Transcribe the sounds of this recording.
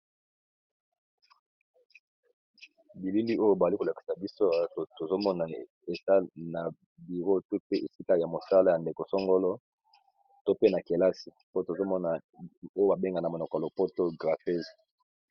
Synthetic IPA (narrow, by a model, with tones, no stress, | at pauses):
bi˨li˦li˦o˦jo˦ba˨li˦ko˨la˨ki̥˨sa˨bi˦so˦a˨˦o˨to˨zo˦mɔ˦na˨ | e˨sa˦na˨ | bi˨ʁo˦to˦pe˦ʔe˨si˦ka˦ja˨mo˨sa˦la˦˨ja˨nde˨ko˨sɔ˦ŋɡo˦lɔ˦ | to˦pe˦na˨ke˨la˦si˨po˦o˦to˨zo˦mɔ˦na˨o˦o˦ba˨be˦ŋɡa˨na˨mo˨nɔ˨klo˨po˦to˦ɡʁa˨fe˦z